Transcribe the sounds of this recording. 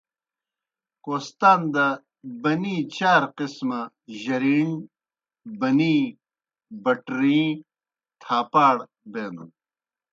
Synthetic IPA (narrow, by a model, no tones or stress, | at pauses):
koːst̪aːnd̪ɐ | bɐnĩːt͡ɕaːɾqismɐ | ʑɐɾiːn | bɐnĩː | bɐʈɾĩː | t̪ʰaːpaːɽ | beːnṵ